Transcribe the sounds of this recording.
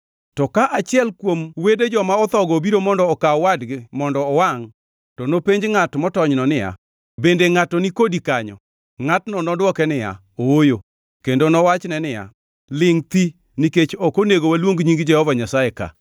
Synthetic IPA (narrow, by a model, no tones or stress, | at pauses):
tɔkaʔat͡ʃɪɛlkwomweded͡ʒɔmaɔt̪ɔɡɔbiɾomɔndɔːkawadɡɪmɔndɔːwaŋ | tɔnopeɲd͡ʒŋatmɔtɔɲnɔnɪja̰ | bendeŋatɔnikodikaɲɔ̰ | ŋatnɔnɔdwɔkɛnɪja̰ | owojo | kendonɔwat͡ʃnɛnɪja̰ | lɪŋt̪i | niket͡ʃɔkoneɡowalwoŋɡɲiŋɡd͡ʒɛhɔvaɲasaeka̰